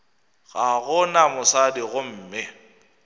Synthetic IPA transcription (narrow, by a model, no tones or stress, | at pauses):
ɣaɣʊnamʊsadɪɣʊm̩ːmɪ